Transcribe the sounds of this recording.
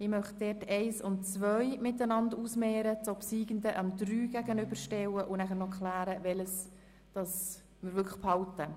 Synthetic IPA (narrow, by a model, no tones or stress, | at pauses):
ɪmœχt̚d̥ɛːtɛɪsʊnt̚t͡svœʏmɪtənɑnduːsmɛːɾət͡sopsiːɡəndəʔɑmdɾyːɡ̥æɡənʏbəɾʃtɛwəʔʊnæχəɾnɔkχlæːɾəvɛləs | d̥ɑs | məɾvʏkʰə̥χphɑltə